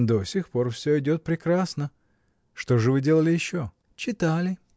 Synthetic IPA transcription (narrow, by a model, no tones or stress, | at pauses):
d̪osʲɪxpo̞rfsʲoɪdʲo̞t̪̚pɾʲɪkɾasnə | ʂt̪o̞ʐɨvɨdʲe̞lˠəlʲɪjɪɕːo | t͡ɕɪt̪alʲɪ